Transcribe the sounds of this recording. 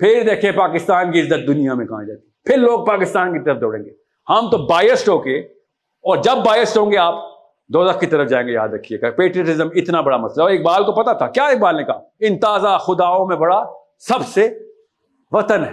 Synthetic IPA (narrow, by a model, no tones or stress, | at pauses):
pʰɪɾd̪eːkʰĩpaːkɪst̪aːnkiɪzːət̪̚d̪ʊnijamẽkãːd͡ʒaːt̪ipʰɪɾloːɡ̚paːkɪst̪aːnkit̪ɐɾəfd̪ɔːɽḛ̃ːŋɡeː | hɐmt̪obaːjəsʈɦoːke | ɔːɾd͡ʒɐbːaːjəsʈɦõːŋɡeaːp̚ | d̪oːd̪ɐxkit̪ɐɾəfd͡ʒaːẽːŋɡeja̰ːd̪ɾɐkʰːiekɐpeːʈɾiəʈɪzəmɪt̪nabɐɽamɐsləeːk̚baːlkopɐt̪at̪ʰakjaːeːk̚baːlnẽkaɪ̃nt̪aːzaxʊd̪aːõmẽbɐɽa | sɐbse | ʋɐt̪ənɦɛː